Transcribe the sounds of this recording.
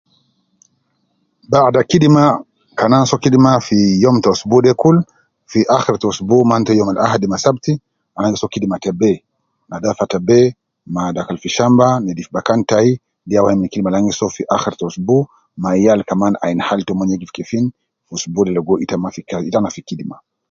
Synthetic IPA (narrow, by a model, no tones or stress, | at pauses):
badakiɗima | kanansɔkiɗimafijɔmtɔsubudɛkul | fiʔaxɛɾtɔsubumantɔjɔmalʔahadimasabti | alaŋɡisɔkidimatɛbɛ | nadafatɛbɛ | madakalfiʃambanɛdifibakantai | ndiawaiminkidimalaŋɡisɔfiʔaxɛɾtɔsbu | majalkamana̰inhaltɔmɔɲɛɡifi̥kɛfin | fusubudɛlɛɡɔʔitamafikitanafikiɗima